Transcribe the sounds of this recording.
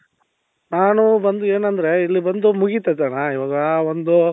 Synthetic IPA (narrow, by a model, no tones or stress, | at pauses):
naːnubɐnd̪ue̞ːnɐnd̪ɐɾe̞ilːibɐnd̪umuɡit̪et̪anaiʋaːɡɐːond̪u